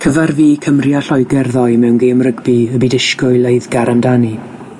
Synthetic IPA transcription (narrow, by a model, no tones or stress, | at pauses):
kʰəvarviːkʰəmrjaɬɔjɡɛrðɔjmɛwnɡeːmrəɡbiəbiːdɪʃkʊɨlˠejðɡ̥aɾamdani